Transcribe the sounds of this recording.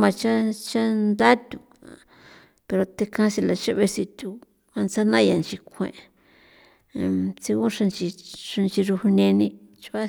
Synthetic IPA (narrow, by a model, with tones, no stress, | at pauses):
mã˧t͡ʃa˦t͡ʃa˦nd̪a˦t̪ʲu˨ | pe˧ɾo˧t̪e˧kã˧si˧la˨t͡ʃa˦βe˧si˧t̪ʲu˧ | a˧nt͡sa˦nã˦ja˨nt͡ʃi˧kʷʰḛ̃˨ʔ | t͡si˧kũ˦ʂa˧nt͡ʃi˧ʂa˧nt͡ʃi˧ɾu˧hu˧nẽ˧nĩ˧ | t͡ʃa˦